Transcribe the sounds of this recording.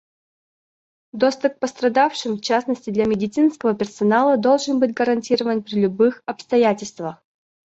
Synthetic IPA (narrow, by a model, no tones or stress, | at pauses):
d̪ost̪ʊp̚pəst̪ɾɐd̪afʂɨmft͡ɕasnəsʲtʲɪd̪lʲamʲɪdʲɪt̪sɨnskəvəpʲɪrsɐnalˠəd̪o̞lˠʐɨnbɨtʲɡəɾɐnʲtʲiɾəvənpɾʲɪlʲʊbɨxɐpst̪ɐjatʲɪlʲst̪vəx